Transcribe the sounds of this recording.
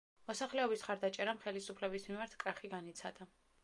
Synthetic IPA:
mɔsaχlɛɔbisχaɾd̪at͡ʃʼɛɾamχɛlisupʰlɛbismimaɾt̪ʰkʼaχiɡanit̪sʰad̪a

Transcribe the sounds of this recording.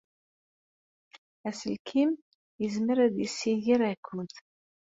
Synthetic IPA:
æsəlkʰim | jəzməɾæðjəsːijiɾækːʊnt̪

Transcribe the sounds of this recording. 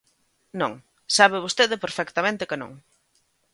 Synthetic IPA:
nõŋ | saβɪβ̞ost̪eðɪpeɾfɛkt̪amẽnt̪ɪkɪnõ̰ŋ

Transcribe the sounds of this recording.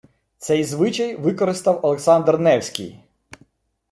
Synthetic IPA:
t̪sɛjzʋɪt͡ʃɐjʋɪkɔɾɪst̪ɐwɐlˠeksɑnd̪rnɛwsʲkʲḭj

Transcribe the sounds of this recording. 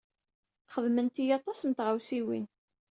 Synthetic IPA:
χəðmənt̪ijɑt̪ˤɑsənt̪ʁawsiwḭn

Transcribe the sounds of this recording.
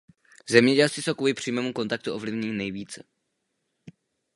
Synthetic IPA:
zɛmɲɛɟɛlst̪ɪsowkvuːlɪpr̥iːmɛːmuko̞nt̪ak̚t̪uʔovlɪvɲinɛjviːt͡sɛ

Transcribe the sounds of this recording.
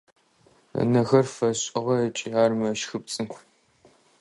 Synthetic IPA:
ɐ̰nɐɣɐrfɐɕʼɪʁɐɐt͡ʃʼɪaːrmɐʃxɨp̚t͡sʼɨnkʷʰ

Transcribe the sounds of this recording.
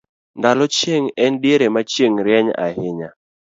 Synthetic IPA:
ndalɔt͡ʃjeŋɛndjeɾemat͡ʃjeŋɾjɛɲa̰ɦɪɲa

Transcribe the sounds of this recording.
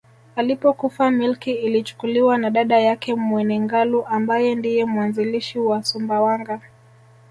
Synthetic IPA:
alipɔkufamilkiilit͡ʃu̥kuliwanaɗaɗajakɛmwɛnɛŋɡaluʔambajɛndijɛmuwanziliʃiwasumbawaŋɡa

